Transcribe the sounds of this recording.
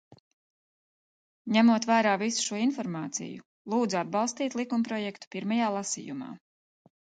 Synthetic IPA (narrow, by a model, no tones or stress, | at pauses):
ɲæmuɔt̪væːɾaːvisu̥ʃuɔinfɔɾmɑːt̪sḭju | lˠuːd̪zuad̪̚bɑlˠst̪iːt̪lˠikumpɾɔjɛkt̪u̥piɾmajaːlˠasḭːjuma̰ː